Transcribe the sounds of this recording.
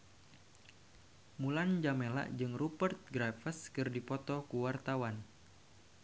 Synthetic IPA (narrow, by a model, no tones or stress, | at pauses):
muland͡ʒamela̰ʔd͡ʒɨŋrupərt̪̚ɡɾafəskɨrdipɔt̪ɔkuwart̪awan